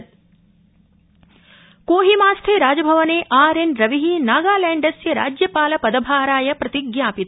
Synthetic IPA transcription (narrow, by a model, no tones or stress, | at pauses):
koːɦimaːst̪ʰeːɾaːd͡ʒɐbʱɐʋɐneːʔaːɾenɾɐʋiɦinaːɡaːlaːɳɖɐsjɐɾa̰ːd͡ʒjɐpaːlɐpɐd̪ɐbʱaːɾaːjɐpɾɐt̪iɡjaːpit̪